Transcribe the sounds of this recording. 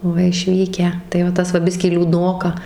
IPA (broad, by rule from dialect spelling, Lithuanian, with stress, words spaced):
ˈʋɐ ɪʃʲˈʋʲiːkʲæː tɐɪ ʋɐ ˈtɐs ʋɐ ˈbʲɪsʲkʲiː lʲuːˈdnoːkɐ